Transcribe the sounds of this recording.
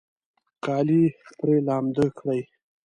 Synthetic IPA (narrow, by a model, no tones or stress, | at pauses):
qɑːlixp̪ɾelɑːmd̪əkʰɽaj